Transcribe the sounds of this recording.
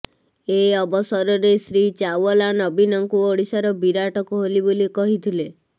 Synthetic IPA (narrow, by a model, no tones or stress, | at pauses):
eɔbɔsɔɾɔɾesɾit͡ʃawɔlanɔbinɔŋkuoɽisaɾɔbiɾaʈɔkɔɦolibolikɔɦit̪ʰile